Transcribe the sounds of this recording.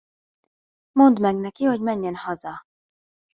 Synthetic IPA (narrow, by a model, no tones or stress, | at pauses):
mo̞nd̪mɛɡnɛkiho̞ɟmɛɲːɛnhɒzɒ